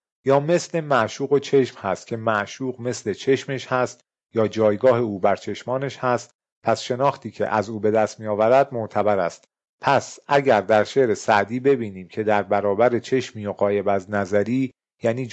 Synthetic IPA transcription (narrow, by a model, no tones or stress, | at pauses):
jɒːme̞sle̞mæʔʃuːɣot͡ʃʰe̞ʃmhæst̪̚cʲʰe̞mæʔʃuːɣme̞sle̞t͡ʃʰe̞ʃmeʃhæst̪ | jɒːd͡ʒɒːjɡɒːɦeuːbæɾt͡ʃʰe̞ʃmɒːneʃhæst̪ | pʰæsʃe̞nɒːxt̪ʰiːcʰe̞̰ʔæzuːbe̞d̪æst̪mijɒːvæɾæd̪̚moʔt̪ʰæbæɾæst̪ | pʰæsʔæɟæɾd̪æɾʃe̞ɾe̞sæʔd̪iːbe̞biːniːmcʰe̞d̪æɾbæɾɒːbæɾe̞t͡ʃʰe̞ʃmiːjoɣɒːje̞bæznæzæɾiː | jæːniː